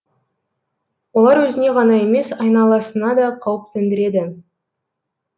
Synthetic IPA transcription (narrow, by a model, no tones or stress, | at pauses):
wo̞lˠɑɾwɵzɪne̞ʁɑnɑe̞me̞sɑjnɑlˠɑsənɑd̪ɑqʰɑwəp̚t̪ʰɵnd̪ɪɾe̞d̪ɪ